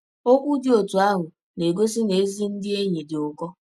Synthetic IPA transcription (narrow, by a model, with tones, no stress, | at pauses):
o˦kʷu˦dɪ˦o˨tu˨a˦ɦʊ˨ | ne˨ɡo˦s̬ɪ˦ne˨˦zi˦n̩˦dɪ˦e˦ɲe˨dɪ˨ʊ˨kɔ˦